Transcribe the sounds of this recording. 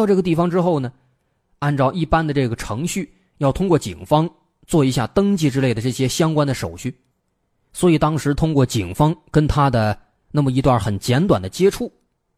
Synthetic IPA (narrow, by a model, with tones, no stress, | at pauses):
ʊʈ͡ʂɤ˥˩ɡə˧t̪i˥˩fɑ˧˩ŋʈ͡ʂɻ̩˥xo˥˩ʊnə˩ | a˥˧nʈ͡ʂɑ˥˧ʊʔi˥˩pa˥nd̪ə˨˧ʈ͡ʂɤ˥˩ɡə˩ʈ͡ʂʰɤ˧˥ŋɕy˥˩ | jɑ˥˩ʊt̪ʰʊ˥ŋkwɔ˥˩t͡ɕḭ˨˩ŋfɑ˥ŋ | t͡swɔ˥˩i˧˥ɕja˥˩t̪ɤ˥ŋt͡ɕi˥˧ʈ͡ʂɻ̩˥le˥˩ɪd̪ə˩ʈ͡ʂɤ˥˩ɕjɛ˥ɕjɑ˥ŋkwa˥nd̪ə˨ʂo̰˨˩ʊɕʰy˥˩ | swɔ˧˥i˨˩t̪ɑ˥ŋʂɻ̩˧˥t̪ʰʊ˥ŋkwɔ˥˩t͡ɕi˨˩ŋfɑ˥ŋkə˥nt̪ʰa˥d̪ə˨ | na˥˩mə˩i˧˥t̪wa˞˥˩xə˨˩nt͡ɕjɛ˧˥nt̪wa˨˩nd̪ə˦t͡ɕjɛ˥ʈ͡ʂʰu˥˩